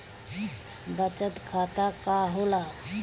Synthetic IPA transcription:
bət͡ɕət̪kʰat̪akaɦola

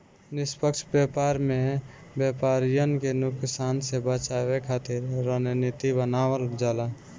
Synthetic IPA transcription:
nɪspəkt͡ʃʰbepaɾme | bjepaɾijənkenuksansebət͡ʃabekʰat̪iɾɾənnit̪ibənawəld͡ʒala

